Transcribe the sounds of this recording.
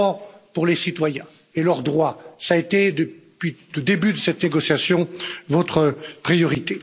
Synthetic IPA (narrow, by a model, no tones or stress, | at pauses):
ɔʁpuʁlesit̪wajɛ̃ | elœʁd̪ʁwasaet̪ed̪əpɥid̪əd̪ebyd̪əsɛt̪neɡɔsjasjɔ̃vɔt̪χəpχijɔʁit̪e